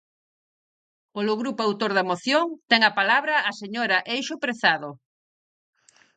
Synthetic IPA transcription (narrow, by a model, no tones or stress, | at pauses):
oloɣɾupoawt̪oɾðɐmoθjoŋt̪ɛŋɐpalaβɾɐːseɲoɾɐʔejʃʊpɾeθaðo